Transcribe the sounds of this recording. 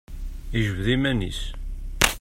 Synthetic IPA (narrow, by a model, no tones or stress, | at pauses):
iʒəvðimænḭs